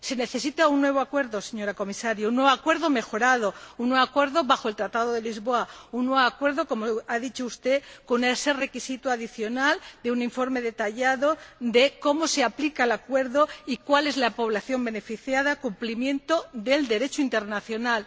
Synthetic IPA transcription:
se̞ne̞θe̞sit̪aunːwe̞β̞oakwe̞ɾðo̞se̞ɲo̞ɾako̞misaɾjaunːweβakwe̞ɾðo̞me̞xo̞ɾaðo̞unːweβakwe̞ɾðo̞βaxoelt̪ɾat̪aðoðe̞lizβo̞aunːwe̞βakwe̞ɾðo̞ko̞mo̞aðit͡ʃoust̪e̞konese̞re̞kisit̪uaðiθjo̞nald̪e̞unĩɱfo̞ɾme̞ðe̞t̪aʝaðo̞d̪e̞ko̞mo̞se̞aplikaelakwe̞ɾðoikwale̞zlapo̞β̞laθjo̞mbe̞ne̞fiθjaðakumplimjẽ̞nt̪o̞d̪e̞ld̪e̞ɾe̞t͡ʃoint̪e̞ɾnaθjo̞nal

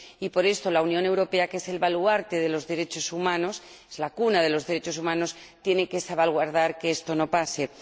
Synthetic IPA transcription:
ipo̞ɾe̞st̪o̞launjõ̞ne̞wɾo̞pe̞akese̞lβaluaɾt̪e̞ð̞e̞lo̞zðe̞ɾe̞t͡ʃo̞sumãno̞s | ezlakunað̞e̞lo̞zðe̞ɾe̞t͡ʃo̞sumãno̞s | t̪jeneke̞saβalɣwaɾð̞aɾkeest̪o̞no̞pase̞

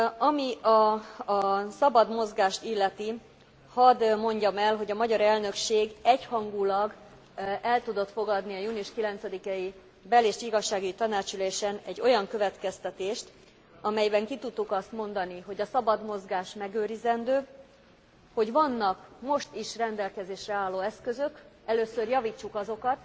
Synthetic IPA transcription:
ɒmiɒ | sɒbɒd̪mo̞zɡaːʃt̪ilːɛt̪i | hɒd̪mo̞ɲɟɒmɛlɦo̞ɟɒmɒɟɒɾɛlnø̞kʃeːɡɛchɒŋɡulɒɡ | ɛlt̪ud̪o̞t̪fo̞ɡɒd̪niɒjuːniuʃkilɛnt̪sɛd̪ikɛji | bɛleːʃiɡɒʃːaːɡuɟit̪ɒnaːt͡ʃyleːʃɛnɛɟːo̞jɒŋkø̞vɛt̪kɛst̪ɛt̪eːʃt̪ | ɒmɛjbɛŋkit̪ut̪ːukɒst̪mo̞nd̪ɒniɦo̞ɟɒsɒbɒd̪mo̞zɡaːʃmɛɡøːɾizɛnd̪øː | ho̞ɟvɒnːɒkmo̞ʃt̪iʃrɛnd̪ɛlkɛzeːʃrɛaːlːoːɛskø̞zø̞k | ɛløːsørjɒviːt͡ʃːukɒzo̞kɒt̪

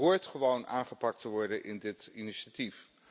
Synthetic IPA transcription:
ɦʊːɹtχəʋownʔaːnχəpɑk̚təʋɔɹdənʔɪndɪtiniʃatif

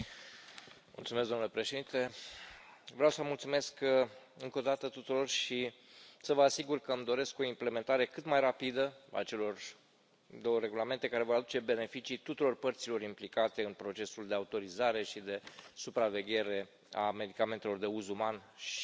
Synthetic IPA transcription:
mṵlt̪sumes̬zd̪omnule̞pɾe̞ʃe̞d̪int̪e̞ | vɾawsəmult̪sume̞skɨŋko̞d̪at̪ət̪ut̪uɾo̞rʃisəvəasiɡurkəɨmd̪o̞ɾe̞sko̞imple̞me̞nt̪aɾe̞kɨt̪majrapid̪əa̰t͡ʃe̞lo̞r | d̪o̞wəɾe̞ɡulame̞nt̪e̞kaɾe̞vo̞ɾad̪ut͡ʃe̞be̞ne̞fit͡ʃit̪ut̪uɾo̞rpərt̪silo̞ɾimplikat̪e̞ɨnpɾo̞t͡ʃe̞suld̪e̞aut̪o̞ɾizaɾe̞ʃid̪e̞supɾave̞ɡʲe̞ɾe̞ | ame̞d̪ikame̞nt̪e̞lo̞rd̪e̞uzumanʃ

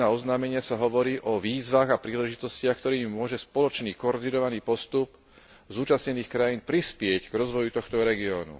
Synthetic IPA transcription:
aːɔznaːmɛɲɪasaɦɔʋɔɾiːʔɔʋiːzʋaːɣapɾiːlɛʒit̪ɔscɪaxkt̪ɔɾiːmimʊɔʒɛspɔlɔt͡ʃniːkɔɔɾd̪inɔʋaniːpɔst̪up | zuːt͡ʃasɲɛniːxkɾajiːnpɾispɪɛcɡɾɔzʋɔjut̪ɔxt̪ɔɾɛɡiɔːnṵ

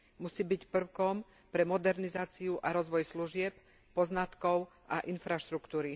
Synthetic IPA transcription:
musiːbicpr̩ʊkɔm | pɾɛmɔd̪ɛɾnizaːt͡siuʔaɾɔzʋɔjsluʒɪɛp | pɔznat̪kɔʊʔaʔinfɾaʃt̪ɾukt̪uːɾi

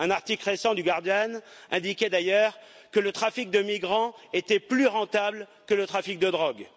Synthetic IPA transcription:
ɛ̃naʁt̪iklʁesɑ̃d̪yɡaʁd̪janɛ̃d̪ikʲɛd̪ajœʁ | kələt̪χafik̚d̪əmiɡʁɑ̃et̪ɛplyʁɑ̃t̪abl | kələt̪χafik̚d̪əd̪ʁɔɡ

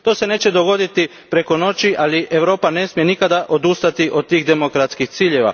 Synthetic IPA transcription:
t̪o̞ːse̞ne̞ːt͡ɕed̪o̞ɡo̞d̪it̪i | pɾe̞ko̞no̞t͡ʃiʔalie̞ʋɾo̞ːpane̞smijenikad̪aʔo̞d̪ust̪at̪iʔo̞d̪̚t̪ːiːɣd̪e̞mokɾat̪skixt̪siːʎe̞ʋa̰

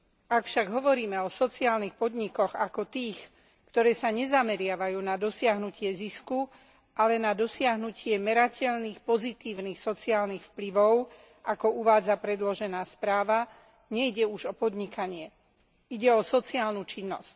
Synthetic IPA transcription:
akfʃaɡɦɔʋɔɾiːmɛɔsɔt͡siaːlnixpɔd̪ɲikɔɣakɔt̪iːx | kt̪ɔɾɛːsaɲɛzamɛɾɪaʋajuːnad̪ɔsɪaɦnucɪɛzisku | ʔalɛnad̪ɔsɪaɦnucɪɛmɛɾacʰɛʎniːxpɔzit̪iːʊnixsɔt͡siaːlnixfpliʋɔʊ | ʔakɔuʋaːd͡zapɾɛd̪lɔʒɛnaːspɾaːʋa | ɲɛiɟɛuʒɔpɔd̪ɲikaɲɪɛ | iɟɛɔsɔt͡siaːlnuːt͡ʃinːɔsc

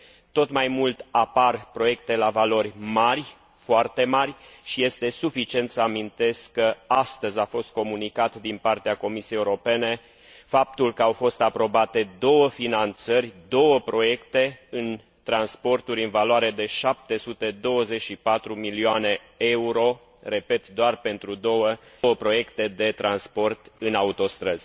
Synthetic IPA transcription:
t̪o̞t̪majmult̪aparpɾo̞je̞k̚t̪e̞lavalo̞rʲmarʲ | foart̪e̞marʲʃije̞st̪e̞sufit͡ʃie̞nt̪səamint̪e̞skkːəast̪əzʲafo̞st̪̚ko̞munikat̪d̪inpart̪eako̞misiejeuɾo̞pe̞ne̞ | fap̚t̪ulkəawfo̞st̪apɾo̞bat̪e̞d̪o̞wəfinant̪sərʲd̪o̞wəpɾo̞je̞kt̪e̞ɨn | t̪ɾanspo̞rt̪uɾʲɨnvaloaɾe̞d̪e̞ʃap̚t̪e̞sut̪e̞d̪o̞wəze̞t͡ʃʃipat̪ɾumilioane̞ | e̞uɾo̞ | re̞pe̞t̪d̪oarpe̞nt̪ɾud̪o̞wəwəpɾo̞je̞kt̪e̞d̪e̞t̪ɾʔanspo̞rt̪ɨnaut̪o̞st̪ɾəz̥ʲ

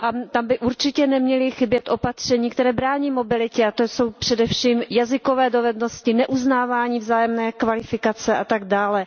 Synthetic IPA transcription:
ʔat̪ambɪʔuɾt͡ʃɪcɛnɛmɲɛlɪxɪbjɛt̪ʔo̞pat̪r̝̥ɛɲiːk̚t̪ɛɾɛːbɾaːɲiːmobɪlɪcɛat̪oso̞wpr̝̥ɛdɛfʃiːmjazɪko̞vɛːdovɛdno̞scɪnɛʔuznaːvaːɲiːvzaːjɛmnɛːkvalɪfɪkat͡sɛʔat̪aɡdaːlɛ

